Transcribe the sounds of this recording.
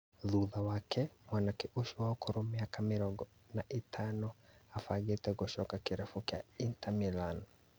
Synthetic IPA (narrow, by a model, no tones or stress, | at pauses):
ðuðawakʰɛmwanakiʔuʃuwaɔkɔɾumiakamiɾɔɡɔ | naʔitʰanɔafaɡetɛɡɔʃɔkakiɾɛfukjaintamilan